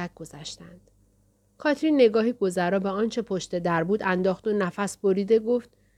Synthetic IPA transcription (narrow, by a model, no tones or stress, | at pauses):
æt̪̚ɡozæʃt̪ænd̪̥ | kʰɒːt̪ʰɾiːnːe̞ɡɒːɦiɡ̥o̞zæɾɒːbeɒːnt͡ʃʰe̞pʰo̞ʃt̪e̞d̪æɾbuːd̪ænd̪ɒːxd̪onæfæsbo̞ɾiːd̪e̞ɡoːft̪̚